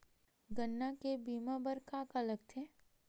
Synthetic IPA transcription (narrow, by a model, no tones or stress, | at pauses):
ɡənːakebiːmãbəɾkaːkɐləɡt̪ʰeː